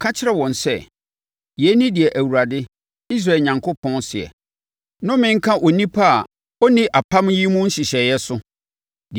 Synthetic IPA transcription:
kʰa˦t͡ɕʰɪ˦ɾɛ˦wɔ̃˨nsɛ̰˦˨ | jɛ˨˦nĩ˦dɪ˨ɛ˨ʔæ˨wu˨ɾa˨dɪ˦ | i˦s̬ɾa˦˨ɲã˨ŋkʰʊ˦pʰɔ̃˦nsɪ˨ɛ̰˨ | nʊ̃˦mɪ̃˦ŋ̩˦kʰã˦ʔɔ˨nĩ˦pʰa˦a˨ | ɔ˦nɪ̃˦ʔa˨pʰã˦mji˦mũ˦ɲ̩˦ɕɪ˨ɕɛ˨jɛ˦sʊ˦ | d

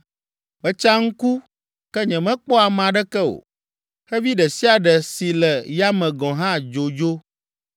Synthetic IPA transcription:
bə˦t͡ʃa˦ŋ̩˦ku˦ | kɛ˦ɲɛ̃˨mɛ̃˦k͡pɔ˦a˨mã˨ɖɛ˦kɛ˦o̰˨ | xɛ˦vi˦ɖɛ˨si˦a˨ɖɛ˨si˨lɛ˨ja˦mɛ̃˨ɡɔ̃˨ɦã˦d͡ʒo˨d͡ʒo˦

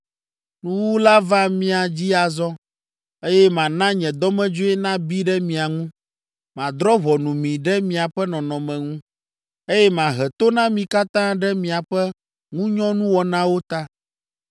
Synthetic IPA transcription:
nũ˦wu˦la˦va˦mĩ˦a˨d͡ʑi˦a˨zɔ˦ | e˦jɛ˦mã˨nã˦ɲɛ̃˨d̪ɔ˦mɛ̃˦d͡ʒo˦ɛ˦nã˦bi˦ɖɛ˦mĩ˨a˨ŋũ˦ | mã˨d̪ɾɔ˦βɔ˨nũ˨mĩ˨ɖɛ˦mĩ˨a˨ɸɛ˦nɔ̃˨nɔ̃˨mɛ̃˨ŋũ˦ | e˦jɛ˦mã˨ɦɛ˨t̪o˦nã˦mĩ˨ka˦t̪ã˦ɖɛ˦mĩ˨a˨ɸɛ˦ | ŋũ˦ɲɔ̃˦nũ˦wɔ˨nã˦wo˦t̪a˦

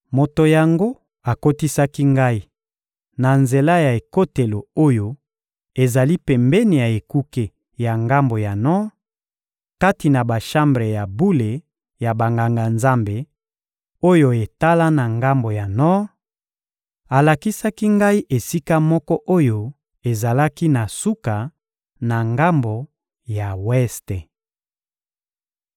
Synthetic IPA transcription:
mo˨to˨ja˨ŋɡo˦ | a˨ko˦ti˦sa˦ki˦ŋɡa˦i˦ | na˨nze˨la˦ja˨e˨ko˦te˨lo˨o˦jo˦ | e˨za˨li˦pɛ˨mbɛ˦ni˨ja˨e˨ku˦ke˨ | ja˨ŋɡa˦mbo˨ja˨nɔ˦ | ka˦ti˨na˨ba˨ʃa˦mbʁe˨ja˨bu˦le˨ | ja˨ba˨ŋɡa˨ŋɡa˨nza˦mbe˨ | o˦jo˨e˨ta˦la˦na˨ŋɡa˦mbo˨ja˨nɔ˦ | a˨la˨ki˦sa˦ki˦ŋɡa˦i˦ʔe˨si˦ka˦mɔ˦kɔ˦ʔo˦jo˦ | e˨za˨la˦ki˦na˨su˦ka˨ | na˨ŋɡa˦mbo˨ | ja˨wɛ˦ste˨

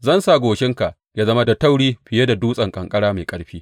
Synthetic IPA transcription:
zɐ˦nsaː˦˨ɡʷoː˨ʃɪ˦ŋka˨ʔ | jaː˦zɐ˦ma˦dɐ˨tɐ˦wɽiː˦ɸɪ˨je˦da˨duː˦sʼɐ˨ŋkʼɐ˨ŋkʼɐ˦ɽaː˦ma˨jkʼɐ˦ɽɸiː˦

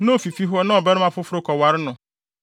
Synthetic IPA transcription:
nʊ̃˦o˨fi˨fi˦ɦʊ˦ɔ˦nã˦ɔ˨bɛ˦ɾɪ˦mã˦fʊ˦fʊ˦ɾʊ˦kʰɔ˨wa˨ɾɪ˦nʊ̃˨

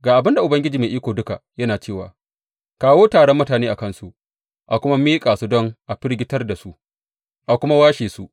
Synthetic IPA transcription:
ɡaː˨ʔa˨bɪ˦nda˨ʔʊ˨bɐ˦ŋɡʲɪ˦d͡ʒiː˨meː˨ʔiː˦kʷoː˨dʊ˦ka˨jɐ˦naː˨t͡ʃeː˦˨waː˨ | kaː˦woː˦taː˨ɽɔ˦mːʊ˦taː˨neː˦ʔa˨kɐ˦˨nsu˦ʔ | ʔa˨kʷʊ˦ma˦miː˦kʼaː˨su˦dɔ˦ŋʔa˨ɸɪ˦ɾɡʲɪ˦tɐ˦rda˨su˦ʔ | ʔa˨kʷʊ˦ma˦waː˦ʃeː˨su˦ʔ

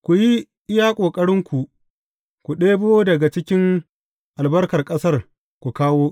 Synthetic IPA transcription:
kʷu˨ji˦ | ʔɪ˦jaː˦kʷʼoː˨kʼɐ˦ɽɪ˦ŋkʷu˨ | kʷu˨ɗeː˦boː˦dɐ˨ɡa˨t͡ʃɪ˦kʲɪ˦ŋ | ʔa˨lbɐ˦rkɐ˨rkʼɐ˦sɐ˦˨r | kʷu˨kaː˦woː˦

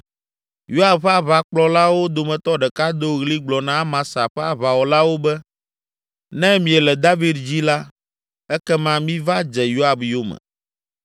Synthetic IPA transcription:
jo˦a˨bɸa˦βa˨k͡plɔ˦la˦wo˦d̪o˨mɛ̃˨t̪ɔ˦ɖɛ˨ka˦d̪o˦ɣli˦ɡ͡blɔ˨nã˦mã˨sa˨ɸɛ˦a˨βa˨wɔ˨la˦wo˦bɛ˦ | nɛ̃˦mĩ˨ɛ˨lɛ˨d̪a˦vi˦d̪̚d͡ʑi˦la˦ | ɛ˦kɛ˦mã˦mĩ˦va˦d͡ʒɛ˨jo˦a˨bjo˦mɛ̰̃˨

